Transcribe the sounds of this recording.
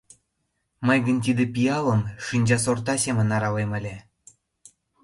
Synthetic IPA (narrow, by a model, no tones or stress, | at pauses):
məjɣənt̪̬id̪epijɑləmʃinʲd͡ʑɑsort̪ɑsemə̆nɑɾɑlemə̆lʲe